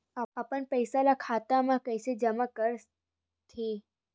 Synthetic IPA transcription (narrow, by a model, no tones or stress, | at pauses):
apəɳpəjsalakʰat̪amãkəjsed͡ʑəmakəɾ | t̪ʰi